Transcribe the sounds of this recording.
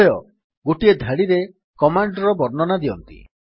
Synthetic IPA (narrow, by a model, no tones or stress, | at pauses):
ejɔ | ɡoʈied̪ʱaɽiɾe | kɔmaɳɖɾɔbɔɾnɔnad̪iɔnt̪ḭ